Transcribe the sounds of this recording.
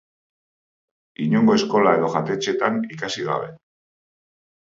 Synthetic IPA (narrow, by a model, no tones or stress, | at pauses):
iɲoŋɡo̞e̞sko̞lae̞ðo̞ʝat̪e̞t͡ʃe̞t̪anikasiɣa̰βe̞̰